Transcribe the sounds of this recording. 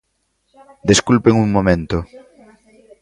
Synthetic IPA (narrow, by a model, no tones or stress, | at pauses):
d̪eskulpeŋuŋmomẽnt̪ʊ